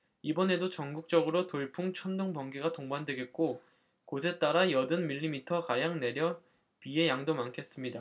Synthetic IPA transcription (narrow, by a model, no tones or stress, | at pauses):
ibʌne̞dot͡ɕʌŋɡuk̚t͡ɕ͈ʌɡɯɾotoɭpʰuŋt͡ɕʰʌndoŋbʌŋɡiɡatoŋbandwe̞ɡe̞t̚k͈o | kosʰe̞t͈aɾajʌdɯnmiʎːimitʰʌkajaŋne̞ɾjʌ | pie̞jaŋdomankʰe̞s͈ɯmɲida